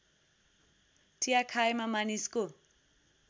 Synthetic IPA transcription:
tʰiakʰaimamanisi̥ko

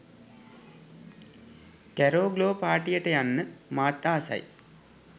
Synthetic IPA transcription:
kæɾoːɡloːpaːʈijəʈəjanːəmaːt̪ːaːsa̰j

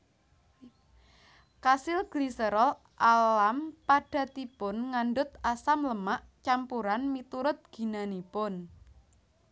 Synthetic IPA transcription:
kasɪlɡ̥lisəɾɔl | ʔalampaɖ̥a̤t̪ipʊnŋanɖʊt̪asamləmaʔt͡ʃampuɾanmit̪uɾʊt̪̚ɡ̥i̤nanipʊn

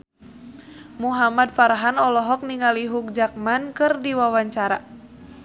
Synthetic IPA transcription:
muɦamad̚faɾɦanɔlɔɦɔk̚niŋaliɦuk̚d͡ʒak̚mankɨrdiwawaɲt͡ʃaɾa

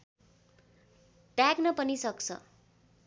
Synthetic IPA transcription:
taknʌpʌnisʌkt͡sʰʌ̰

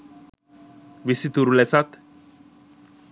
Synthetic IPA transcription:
bisit̪uɾulesat̪

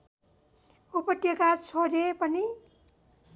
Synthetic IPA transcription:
upʌt̪jʌɡat͡sʰodepʌni

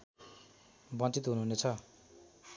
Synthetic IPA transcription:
bʌnt͡sit̪ɦunuɦunet͡sʰʌ

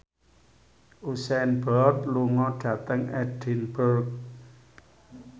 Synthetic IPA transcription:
ʔusɛnbɔrt̪luŋɔɖ̥ä̤t̪əŋɛdɖ̥inburk̚

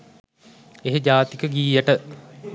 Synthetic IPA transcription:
eɦed͡ʒaːt̪ikəɡiːjəʈə

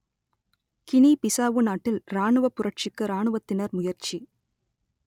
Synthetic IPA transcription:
kɪnipɪsaːʋɯnaːʈːɪlɾaːɳɯʋɐpːʊɾɐʈ̚t͡ʃɪkːɯɾaːɳɯʋɐt̪ːɪnɐɾmʊjɐɾt͡ʃi

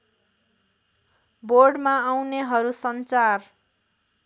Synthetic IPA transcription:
borɖmaawneɦʌɾusʌnt͡sar

